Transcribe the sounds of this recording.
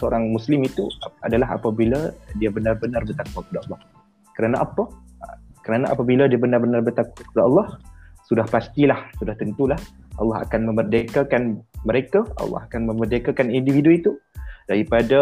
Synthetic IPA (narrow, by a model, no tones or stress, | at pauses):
səo̰ɾaŋmuslimit̪ṵa̰dalaɦa̰pabiladiabənarbənarbət̪akuakəpadaɑlːɑh | kəɾanaʔapa | kəɾanaʔa̰pabiladiabənarbənarbərt̪akaəpadaɑlːɑhsudahpast̪ilahsudaht̪ənt̪ulah | ʔɑ̰lːɑɦa̰kanmə̃mərdakakanməɾekaɑ̰lːɑ̰hakanmə̃mərdakakanindividuit̪udaɾipada